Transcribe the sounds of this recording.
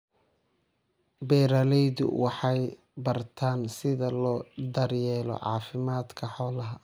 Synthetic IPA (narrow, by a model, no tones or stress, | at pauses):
bɛːɾɐlɛjðʊ̰wɑħɑj | bɐrt̪ʰaːnsɪðɐlɔːd̪ɐrjɛːlɔ̰ʕɑ̰ːfɪmaːd̪kʰɐħɔːlɐɦɐ